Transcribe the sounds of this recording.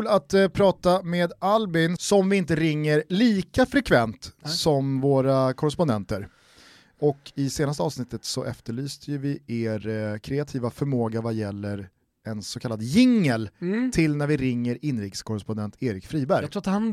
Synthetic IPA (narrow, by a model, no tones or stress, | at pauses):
ʉlat̪pʰɾɑːt̪ameːd̪albɪnsɔmvɪɪnt̪əɾɪŋːəɾliːkafɾɛkʰvɛnt̪sɔmvoːɾakʰɔɾɛspɔnd̪ɛnt̪əɾ | ɔkʰɪseːnast̪əɑːvsnɪt̪ːət̪sɔʔɛft̪əɭyːst̪ʰəjɵvɪeːɾkʰɾɛat̪ʰiːvafœɾmoːɡavajɛlːəɾ | ɛnsɔkʰalːad̪jɪŋːəlt̪ʰɪlnæɾvɪɾɪŋːəɾɪnɾɪkskʰɔɾɛspɔnd̪ɛnt̪ʰeːɾɪkfɾiːbæɾtɡ̪ʰɾuat̪han